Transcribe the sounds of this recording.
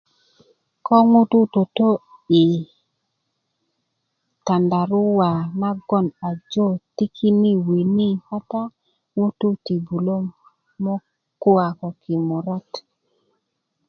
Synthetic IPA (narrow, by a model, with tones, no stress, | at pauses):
kɔ˦ŋu˦tu˦to˨to˦ | i˨ | ta˨nda˨ɾʊ˦wa˨na˦ɡɔ˦˨na˨d͡ʒo˦ti˦kʰi˦ni˦wi˨ni˦ha˦ta˦ | ŋu˦tu˦ti˨bu˨lo˦ | mɔ˦ | kʊ˦a˨kɔ˨kɪ˨mɔ˨ɾɔ˦t